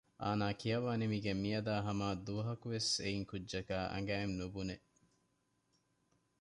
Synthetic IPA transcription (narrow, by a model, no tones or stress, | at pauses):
ʔaːnaːkijɐʋaːnimiɡemijɐd̪aːɦɐmaːd̪uɐɦɐkuʋeseiŋkudːʒɐkaːʔɐ̰ŋɡæemnubune